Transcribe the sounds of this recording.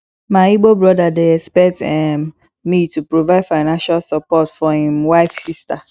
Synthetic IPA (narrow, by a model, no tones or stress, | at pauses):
maiɡ͡bobɾɔdadeɛkspɛk̚tɛ | mĩtupɾovaɪdfaɪnãnʃalsɔpɔtfɔhĩmwaɪfsista